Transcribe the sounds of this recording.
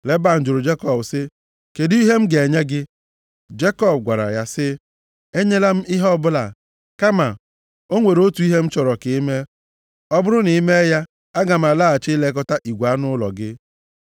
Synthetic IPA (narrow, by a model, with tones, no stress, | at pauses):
le˨ba˦˨n̩˨d͡ʒʊ˨ɾʊ˨d͡ʒe˦kɔ˦˨bsɪ˦ | ke˨di˦i˦ɦe˦m̩˦ɡe˨ɲe˦ɡɪ˦ | d͡ʒe˦kɔ˦b̚ɡʷa˨ɾa̰˨ja˦sɪ˦ | e˦ɲe˦la˦m̩˦ɪ˦ɦɔ˦bʊ˦la˨ | ka˦ma˨ | o˦ŋʷe˨ɾo˦tu˨˦i˦ɦe˦m̩˦t͡ʃɔ˨ɾɔ˨kɪ˨˦me˦ | ɔ˦bʊ˦ɾʊ˦ni˨˦me˦ja˦ | a˦ɡa˨m˨a˨la˦a˨t͡ʃɪ˦le˦k̬ɔ˦ta˦ʔi˨ɡʷa˦nʊ˦lɔ̰˨ɡɪ˦